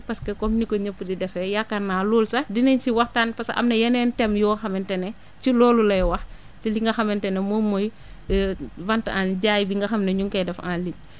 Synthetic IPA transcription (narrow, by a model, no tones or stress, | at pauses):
pɐskɛkɔmnikɔɲəpːdidɛfɛjakːɐnːaːluːlsɐdinɐɲsiwɐxtanpɐsʔɐ̰mnɐjɐnɛntɛmjuxɐmɛntɛnɛ | t͡ʃilɔːlulɐjwɐx | tiliŋɡɐxɐmɛntɛnɛmɔmɔj | vɐntʔanɟaːjbiŋɡɐxɐmnɐɲuŋkɛdɛfanlim